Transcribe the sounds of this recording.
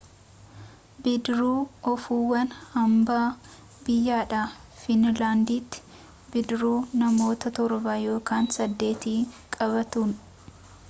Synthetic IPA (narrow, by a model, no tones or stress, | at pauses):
bɪd̪ɾuːɔfuːwɐnhɐmbaː | bɪjːaːᶑaː | fɪnlaːnd̪iːt̪ːɪ̥ | bɪd̪ɾuːnɐmo̞ːt̪ɐt̪ɔɾbaːjo̞ːkaːnsɐd̪ːe̞ːt̪iːkʼɐβɐt̪uːn